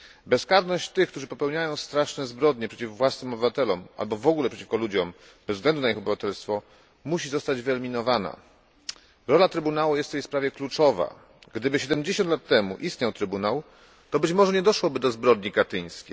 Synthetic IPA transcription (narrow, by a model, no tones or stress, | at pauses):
bɛskaɾnɔɕt͡ɕt̪ɘxkt̪uʐɘpɔpɛwɲajɔ̃w̃st̪ɾaʂnɛzbɾɔd̪ɲɛpʂɛt͡ɕifvwasnɘmɔbɘvat̪ɛlɔmʔa̰lbɔvɔɡulɛpʂɛ̥t͡ɕi̥fkɔlud͡ʑɔm | b̥ɛzɡlɛnd̪unaixɔbɘvat̪ɛlst̪fɔ | muɕizɔst̪ad͡ʑvɘɛlmʲinɔvana̰ | ɾɔlat̪ɾɘbunawujɛst̪fjejspɾavʲjɛklut͡ʂɔva̰ | ɡd̪ɘbɘɕɛd̪ɛmd͡ʑeɕɔnt̪lat̪ːɛmṵʔist̪ɲawt̪ɾɘbunaw | t̪ɔbɘt͡ɕmɔʐɛɲɛd̪ɔʂwɔbɘd̪ɔzbɾɔd̪ɲikat̪ɘɲ̃skʲḛj